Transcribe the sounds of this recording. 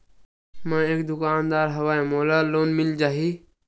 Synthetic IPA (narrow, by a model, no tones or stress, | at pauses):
mãːeːk̚d̪ʊkaːnd̪aːɾɦəʋaːẽmoːlaːloːnmɪld͡ʒaːɦiː